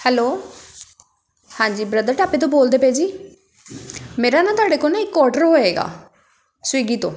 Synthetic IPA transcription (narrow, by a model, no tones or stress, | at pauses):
hɛloː | hãːɲd͡ʒiːbɾəd̪əɾʈaːpẽːt̪̬õːboːld̪eːpeːd͡ʒiː | meːɾaːnãːt̪ʊaːɖeːkoːnaːɪkːɔːɾʈəɾɦoːeːɡa̰ː | sʊiːɡiːt̪õ̰ː